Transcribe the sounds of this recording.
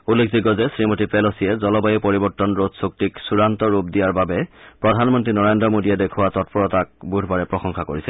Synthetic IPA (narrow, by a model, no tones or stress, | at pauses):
ulːek̚ʰdiɡɔzɛsɹimotipɛlosiɛzɔlɔbajipɔɹibɔɹtɔnɹodsuk̚tiksuɹantɔɹupdijaɹbabɛpɹɔdʱanmɔntɹinɔɹendɹɔmodijɛdekʰʊwatɔt̚pɔɹɔtak̚budʱbaɹɛpɹɔxɔŋxʰakoɹisɛ